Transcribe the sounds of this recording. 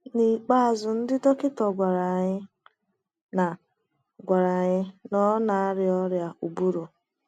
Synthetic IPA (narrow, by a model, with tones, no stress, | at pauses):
ni˨k͡pa˦a˨zʊ˨n̩˦dɪ˦dɔ˦kɪ˦tɔ˨ɡʷa˨ɾa˨ɲɪ˦ | na˨ | ɡʷa˨ɾa˨ɲɪ˦nɔ˦na˨a˦ɾɪ˨ɔ˦ɾja˦u˨bu˦ɾo˨